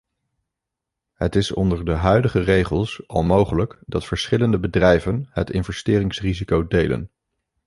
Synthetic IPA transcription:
ɦətɪsɔ̰ndəɹdəɦœɥdəχərejχəlˠsʔɑ̰lˠmowχələkdɑtfəɹsχɪləndəbədrɛjvənɦətɪ̰nvɛstɪːrɪŋsrizikowdejlə̰n

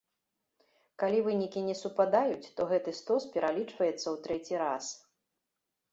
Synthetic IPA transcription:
kalʲivɨnʲikʲinʲɛsupad̪ajut͡sʲt̪ɔɣɛt̪ɨst̪ɔspʲɛɾʔalʲit͡ʂvɐjɛt̪sːɐwt̪ɾɛt͡sʲiɾa̰s

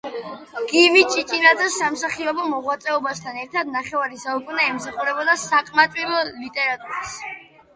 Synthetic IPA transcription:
ɡ̥imit͡ʃʼit͡ʃʼinad̪zɛsːamsaχiɔbɔmɔʁwat̪sʼɛɔbast̪ʰanɛɾt̪ʰad̪̚naχɛvaɾisaukʼunaɛmsaχuɾɛbɔd̪asakʼmat̪ʼwilˠɔlit̪ʼɛɾat̪ʼuɾis

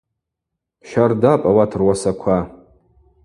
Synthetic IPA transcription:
ʃᶣardapʼawatʰɨrwasakʷʰa

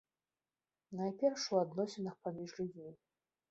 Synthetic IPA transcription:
najpʲɛrʂuad̪nɔsʲinɨxpamʲiʐlʲud͡zʲmʲi

